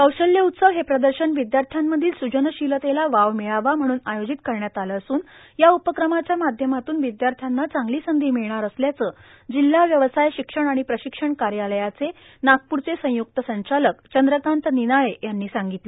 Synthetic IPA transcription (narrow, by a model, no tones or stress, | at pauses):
kəwɕəljəut̪səʋɦepɾəd̪əɾɕənʋid̪jaɾt̪ʰjamːəd̪ʱiːlsud͡ʑənəɕilət̪elaʋaʋmiɭaʋam̤əɽ̃ũːnajod͡ʑit̪kəɾɳjat̪aləːsuːn | jaupəkɾəmat͡ɕjamad̪ʱjəmat̪uːnʋid̪jaɾt̪ʰjanːat͡saŋɡliːsənd̪ʱiːmiɭɳ̃aɾəsljat͡səː | d͡ʑil̤ːaʋjəʋsajɕikʂəɳ̃aɽ̃ipɾəɕikʂəɳkaɾjaləjat͡se | nak̚puɾt͡sesə̃juk̚t̪əsə̃ɲt͡ɕaləkt͡ɕənd̪ɾək̪ant̪ninaɭejanːiːsaŋɡit̪le